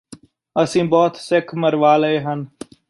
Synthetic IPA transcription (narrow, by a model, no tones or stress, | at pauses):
əsĩːbɔːt̪sɪkʰməɾʋaːləeːɦən